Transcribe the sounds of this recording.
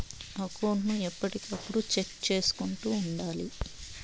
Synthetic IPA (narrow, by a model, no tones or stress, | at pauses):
ɐkɐwɳnuɛpːɐʈikɐpːuɽut͡ʃekt͡ʃe̞ːsu̥kuɳʈuːɳɖaːlḭ